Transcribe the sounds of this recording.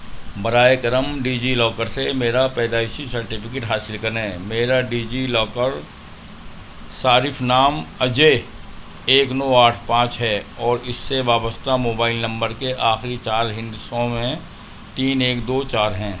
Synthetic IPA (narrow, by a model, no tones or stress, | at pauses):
bɐɾaːekəɾəmɖiːd͡ʒilɔːkəɾsemeːɾapɛːd̪aːɪʃisəɾʈɪpʰɪkeːʈɦaːsɪlkəɾnẽmeːɾaɖiːd͡ʒilɔːkəɾ | saːɾɪfʰnaːməd͡ʒe | eːknɔːaːʈʰpãːt͡ʃɦɛɔːɾɪsːeʋaːbəst̪amoːbaːɪlnɐ̃mbəɾkeʔaːxɾit͡ʃaːɾɦɪ̃nd̪usõmẽ | t̪iːneːkd̪oːt͡ʃaːɾɦɛ̃ː